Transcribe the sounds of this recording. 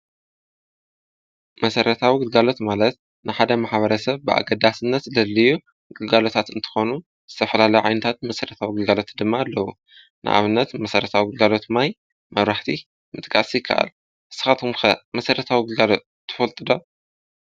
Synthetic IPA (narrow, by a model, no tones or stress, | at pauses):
mɐsɐɾɐt̪ʰawiɡɨlɡalo̞t̪malɐt̪̚ | nɨħad̪ɐmaħβɐɾɐsɐβbɨʔa̰ɡɐd̪asɨnːɐt̪lɐlːɨju | ɡɨlɡalo̞t̪ʰat̪ɨnt̪ʰɨ̥xo̞nu | z̥ɨt̪ʰɐfɐlalɐjuʕa̰jnɨt̪ʰat̪̚mɐsɐɾɐt̪ʰawiɡɨlɡalo̞t̪d̪ɨmːaːlːɐwu | nʔɨ̰ʔa̰βɨnːɐt̪mɐsɐɾɐt̪ʰawiɡɨlɡalo̞t̪maj | mɐβɾaħt̪ʰi | mɨt̪ʼkʼasijɪkʰːa̰ʔa̰l | ʔɨsːɨ̥xat̪umxɐmɐsɐɾɐt̪ʰawiɡɨlɡalo̞t̪̚ʰːɨ̥fɐlt̪ʼɨd̪o